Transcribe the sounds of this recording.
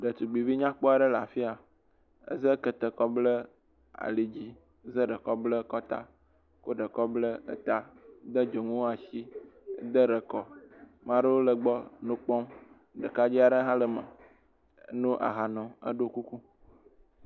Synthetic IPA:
ɖə˨t̪u˨ɡ͡bi˨vi˦ɲã˦k͡po˦a˨ɖə˦la˨fi˦a˨ | ə̰˦zə˦kə˨t̪ə˨kɔ˦blə˦ | a̰˨li˨d͡ʑi˦ | zə˦ɖə˨kɔ˦blə˦kɔ˦t̪a̰˦ | ko˦ɖə˨kɔ˦blə˦ə̰˦t̪a˦d̪ə˦d͡ʒo˨ŋũ˦wa˨ʃi˦d̪ə˦ɖə˨kɔ˦ | mã˦ɖə˦wo˦lə˨ɡ͡bɔ˦nũ˦k͡pɔ̃˦m | ɖə̰˨ka˦d͡ʑi˦a˨ɖə˦ɦã˦lə˨mə̰˨˦ | nũ˦ʔa̰˨ɦa˨nɔ̃˨ə̰˦ɖo˦ku˦ku˦

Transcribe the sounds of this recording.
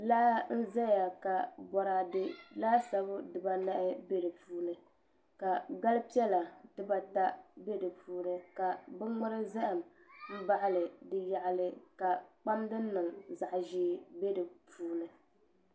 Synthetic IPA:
la˦n̩˦za˦ja˨ka˨bɔ˨ɾa˨dɨ˦laː˦sa˦bɨ˦dɨ˨ba˦na˦ʔɪ˦be˦dɨ˨puː˦nɨ˨ | ka˨ɡa˦lɨ˦pi˦ɛ˦la˨tɨ˦ba˦ta˦be˦dɨ˨puː˦nɨ˦ka˨bɨ˦ŋ͡mʊ˦ɾɨ˦za˦ʔɨ˨m | m̩˦ba˦ʔɪ˦lɨ˨dɨ˦ja˨ʔlɨ˨ka˨k͡pa˦mdɨ˦nɨ˨ŋza˨ʔʒiː˦be˦dɨ˨puː˦nɨ˨

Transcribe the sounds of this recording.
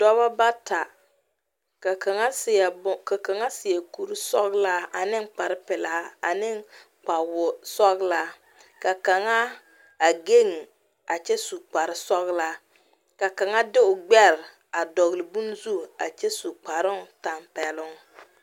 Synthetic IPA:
d̥ɔ˦ba˦ba˦ta˨ | ka˨ka˨ŋa˦sɪ˨bʊ˦ka˨ka˨ŋa˦sɪ˨jɛ˨ku˦ɾi˦sɔ˦ɣla˦a˨nɪ˦ŋ˦k͡pa˨ɾɪ˦pɪ˨la˨˦a˦a˨nɪ˦ŋ | k͡pa˨wʊ˨sɔ˦ɣla˦ | ka˨ka˨ŋa˦ | a˨ɡe˦ŋ˨ | a˨t͡ʃɛ˦su˨k͡pa˨ɾɪ˦sɔ˦ɣla˦ | ka˨ka˨ŋa˦dɪ˦ʊ˨ɡ͡bɛ˦ɾ | a˨dɔ˨ɣlɪ˨bu˦n˦zu˦a̰˨t͡ʃɛ˦su˨k͡pa˨ɾɪ˦ŋ˨ta˨mpɛ˨lʊ˦ŋ

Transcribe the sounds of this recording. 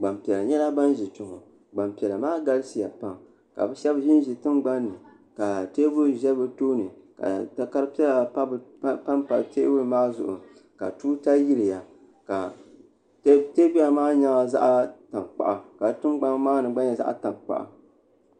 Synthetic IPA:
ɡ͡ba˨mpi˨ɛ˨la˨ɲɛ˦la˦ba˦nʒi˨tʊ˨ŋʊ˨ | ɡ͡ba˨mpi˨ɛ˨la˨maː˦ɡa˦lɨ˦si˨ja˨pa˦ŋ | ka̰˨bɛ˦ʃɛ˦bʒɪ˦n˦ʒi˨tɨ˦mɡ͡ba˦nːɨ˨ | ka˨teː˦bʊ˦ɾʒɛ˦bɨ˦toː˦nɨ˨ka̰˨ta˦ka˦ɾɨ˦pɛ˦la˨a˦bpa˦mpa˨lteː˦bʊ˦ɾɨ˨maː˦zʊ˨ʔʊ̰˨ | ka̰˨tuː˦ta˦ji˦ɾi˨ja˨ | ka˨˦ | teː˦bi˦a˨maː˦ɲa˦ŋa˨za̰˦ʔa˦ta˨ŋk͡pa̰˨ʔa˨ka˨tɨ˦mɡ͡ba˦maː˦nɨ˨ɡ͡ba˦ɲa˨za̰˦ʔa̰˦ta˨ŋk͡pa̰˨ʔa̰˨

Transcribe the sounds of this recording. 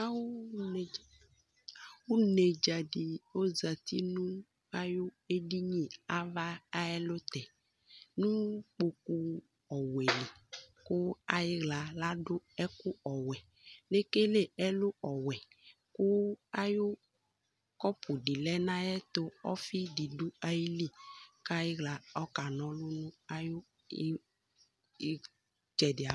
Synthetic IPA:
a˦wo˦˨ | wo˦ne˨d͡ʒa˨ɖi˨o˦za˨t̪i˦nũ˦ | a˦jo˦ | e˦ɖi˦ɲĩ˦a˦va˦a˦ɛ˦lo˦t̪ɛ˨ | nũ˦k͡po˨ku˦ | ɔ˨wɛ˨li˨ko˦a˦je˦ɣla˨la˦ɖo˦ɛ˦ku˦ɔ˨wɛ˨ | le˦ke˦le˦ɛ˦lo˦ɔ˨wɛ˨ | ku˦a˦jo˦ | kɔ˦pʰu˨ɖi˨lɛ˦nã˦jɛ˦t̪o˦ɔ˦fi˦di˨du˦a˦ji˦li˦ka˦ji˦ɣla˨ɔ˦ka˨nɔ̃˨lu˦nũ˦a˦jo˦ | d͡ʒɛ˨dɪ˨a˨

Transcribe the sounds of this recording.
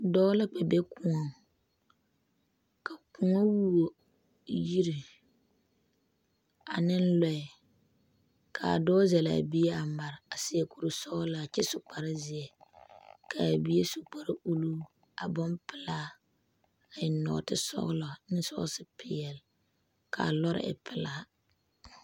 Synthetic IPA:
dɔː˦la˦k͡pa˨be˦ku˦o˨ŋ | ka˨ku˨ŋo˦wu˦o˨ | ji˦ɾi˨ | a˨nɪ˦nlɔ˦ɪ˨ | kʰa̰˨a̰˨dɔː˦zɛ˨la̰˨bi˦ɛ˦a˨ma˨ɾɪ˨a˨sɪ˦ɛ˨ku˨ɾɨ˨sɔ˦ɣla˨t͡ʃɛ˦sʊ˨k͡pa˨ɾɪ˦zɪ˨ɛ˨ | kʰa˨bi˦e˦sʊ˨k͡pa˨ɾɪ˦u˦lu˦ | a˨bɔ˦npɪ˨la˦ | a˨ɪ˨nɔ̰˨tɪ˦sɔ̰˦ɣla˨nɪ˦sɔ̰˦ɣsɪ˦pʰɪ˨ɛ˨l | kʰa̰˨lɔ˦ɾɪ̰˦ʔɪ̰˨pʰɪ˨la˦

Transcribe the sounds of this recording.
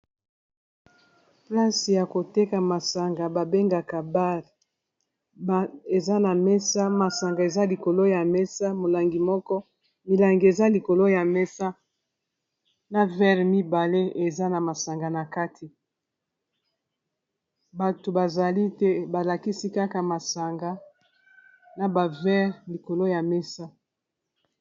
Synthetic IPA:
pla˦si˨ja˨ko˨te˦ka˨ma˨sa˨ŋɡa˨ba˨be˦ŋɡa˨ka˨ba˦ʁ | ba˨e˨za˦na˨mɛ˦sa˦ma˨sa˨ŋɡa˨e˨za˦li˨ko˨lo˦ja˨mɛ˦sa˦mo˨la˨ŋɡi˨mɔ˦kɔ˦ | mi˨la˨ŋɡi˨e˨za˦li˨ko˨lo˦ja˨mɛ˦sa˦ | na˨vɛ˦ʁmi˦ba˨le˦e˨za˦na˨ma˨sa˨ŋɡa˨na˨ka˦tʰi˨ | ba˨to˨ba˨za˨li˦te˦ba˨la˨ki˦si˦ka˦ka˨ma˨sa˨ŋɡa˨ | na˨ba˨vɛ˦ʁli˨ko˨lo˦ja˨mɛ˦sa˦

